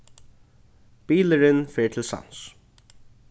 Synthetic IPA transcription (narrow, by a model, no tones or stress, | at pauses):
piːləɾɪnfɛːɹt̪ʰɪlsa̰ns